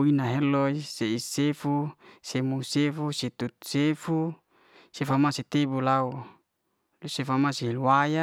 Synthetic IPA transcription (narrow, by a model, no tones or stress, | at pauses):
inaɦeloiseisefusemusefuset̪ut̪̚sefu | sefamaset̪ebulau | lusefamaseɦiluwaja